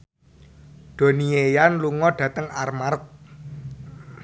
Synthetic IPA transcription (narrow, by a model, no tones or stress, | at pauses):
d̪̥o̤niejanluŋɔɖ̥ä̤t̪əŋarmark̚